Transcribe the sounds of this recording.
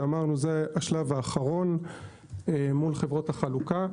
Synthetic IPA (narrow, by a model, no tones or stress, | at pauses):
amaʁnuzeaʃlavaːχaʁo̞n | emulχevʁo̞thaχaluka